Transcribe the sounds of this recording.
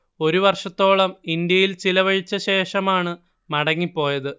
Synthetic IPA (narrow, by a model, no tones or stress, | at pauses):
o̞ɾuʋɐrʂɐt̪ːo̞ːɭɐmind̪jɐjilt͡ɕilɐʋɐɻit͡ɕːɐɕe̞ːʂɐmaːɳɨ | mɐɽɐŋːipːo̞ːjɐðɨ